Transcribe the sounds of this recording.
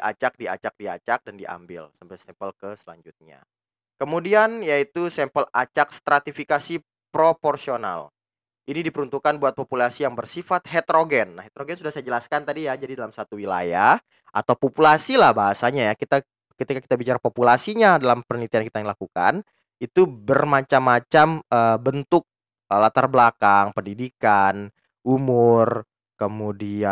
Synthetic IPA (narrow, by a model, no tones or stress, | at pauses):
diʔa̰t͡ʃak̚diat͡ʃak̚dia̰t͡ʃak̚dandiʔa̰mbɪ̰lsampajsɛmpəlkəsəla̰ɲd͡ʒut̪̚ɲa̰ | kəmudianjait̪usɛmpəlat͡ʃak̚st̪ɾat̪ifikasi | pɾoporsiona̰l | ʔinidipəɾunt̪ukanbuat̪̚populasijaŋbərsifat̪̚hɛt̪ɾoɡɛnːahɦet̪ɾoɡɛnsudahsajad͡ʒəlaskant̪adijad͡ʒadidalamsat̪uwila̰jah | ʔa̰t̪awpopulasilahbaɦasaɲajakit̪a | kət̪ikaki̥t̪abit͡ʃaɾapopulasiɲadalampərnit̪iankit̪aŋilakuka̰n | it̪ubərmat͡ʃamːat͡ʃaməbənt̪ʊk̚ | əlat̪arblakaŋpəndidikan | ʔumʊr | kəmudia